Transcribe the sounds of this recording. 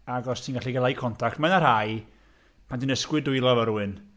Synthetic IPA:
aɡɔstʰinɡaɬiɡɛlˠajkʰɔntʰak̚tmanarhaj | pʰandinəskwɨdʊjlˠɔvəɾuɨn

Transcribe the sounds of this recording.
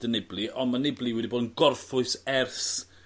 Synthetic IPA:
dənɪblˠiʔɔnmanɪblˠiwɛdiboːdənɡɔrfʊɨsɛrθ

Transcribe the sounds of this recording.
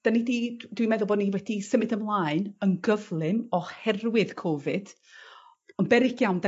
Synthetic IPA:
d̥anididwimɛðʊlboɔdniwɛdisəmɨdəmlˠaːɨnənɡəvlˠɪmɔhɛrwɪðkʰɔːvɨd̥ | ənbɛɾɪkʰjawnda

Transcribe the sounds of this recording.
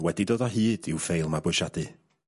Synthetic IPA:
wɛdidoːðɔɦiːdɪwfejlˠmabʊjʃadɨ

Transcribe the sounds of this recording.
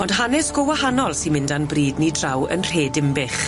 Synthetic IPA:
ɔndɦanɛsɡ̥ɔwahanɔlˠsinmɪndanbriːdnidrawə̰nr̥eːdɪmbɪχ

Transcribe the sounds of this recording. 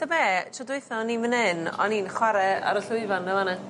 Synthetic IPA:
d̥əmɛtʰɔdwɪɨθɔninmənɪnɔ̰ninχwaɾɛa̰ɾəɬʊɨvanːɛlˠanɛ

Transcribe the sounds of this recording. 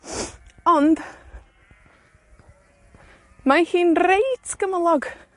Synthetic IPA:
ɔnd | mahiːnrejtʰɡ̥əməlˠɔɡ

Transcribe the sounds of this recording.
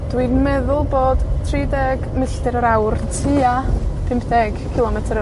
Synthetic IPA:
d̥winmɛðʊlˠboːd̥tʰriːdɛɡmɪɬtɪɾəɾawrtʰiapʰɪmpʰdɛɡ̥kʰɪlˠɔmɛtʰəɾ

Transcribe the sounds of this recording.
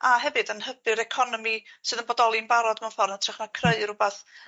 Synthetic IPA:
aɦɛvɨdənhəbɨɾɛkʰɔnɔmisɨːðənbɔdɔlˠinbaɾɔdmafɔrnatʰrɛχmakʰreɨrʊbaθ

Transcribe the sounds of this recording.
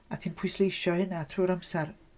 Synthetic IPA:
atʰiːnpʰʊjslejʃɔhɪnatʰruːɾamsar

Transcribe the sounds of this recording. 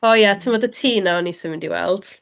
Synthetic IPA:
ɔjatʰəmɔdətʰiːnawnisəmɪndiwɛ̰lˠd̥

